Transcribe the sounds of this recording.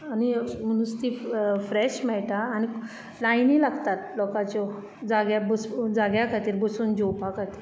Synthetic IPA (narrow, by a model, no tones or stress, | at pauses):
anim̤əɽ̃ũst̪iːfɾɛɕmɛɭʈaːñi | lajnilaɡt̪at̪lɔkat͡ɕɔ | d͡zaɡjabəsd͡zaɡjakʰat̪iːɾbəsuːnd͡ʑopakʰat̪iːɾ